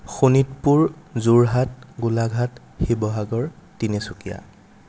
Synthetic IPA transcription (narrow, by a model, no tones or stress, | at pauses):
xunitpuɹzuɹɦatɡulaɡʱat | xibɔɦaɡɔɹtinesukija̰